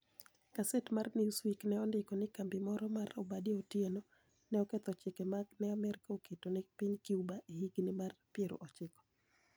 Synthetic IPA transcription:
kasɛtmarniswiknɛɔndɪkɔnɪkambɪmɔɾɔmarɔbadiotjeno | nɛɔkɛt̪ɔt͡ʃɪkɛmaɡnɛamɛrkaoketonɪpiɲkiubaʔihiɡnɪmarpjeɾo̰ʔɔt͡ʃɪkɔ̥

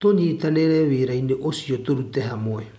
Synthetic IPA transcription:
tonitaneɾeβiɾajneʔosiotoɾuteɦamoe

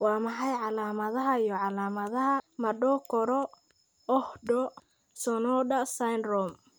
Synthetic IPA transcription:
wɑːmɐħɑjʕɑlaːmɐðɐɦɐijɔʕɑlaːmɐðɐɦɐmɐɖɔkʰɔɾɔ | ɔhɖɔ | sɔnɔdɐsajnrɔm

